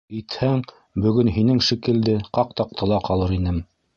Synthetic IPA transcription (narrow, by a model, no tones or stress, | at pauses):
ĭt̪hæŋ | bɵ̆ɡɵnɦinɘŋʃikɘ̆ld̪ɘqɑq̚t̪ɑq̚t̪ʰɤ̆lˠɑqɑlˠɤɾinɘm